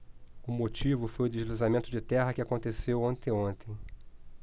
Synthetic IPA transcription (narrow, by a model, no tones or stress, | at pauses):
ʊmot͡ʃivʊfojʊd̪eʒlizamẽnt̪ʊd͡ʒɪt̪ɛɦɐkɪakõnt̪esewõnt̪ẽj̃õnt̪ẽj̃